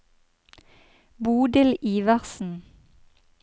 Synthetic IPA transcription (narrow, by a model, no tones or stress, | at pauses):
buːd̪ɪliːʋɑʁsn̩